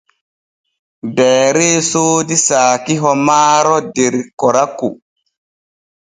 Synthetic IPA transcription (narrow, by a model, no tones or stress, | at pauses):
bɛːɾeːsoːdisaːkiɦɔmaːɾɔdeɾkɔɾakːu